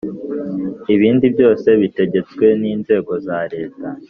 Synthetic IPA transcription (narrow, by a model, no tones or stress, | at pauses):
iβiːndibjo̞ːse̞βite̞ɟe̞t͡skwe̞niːnze̞ːɡo̞zaɾe̞ːta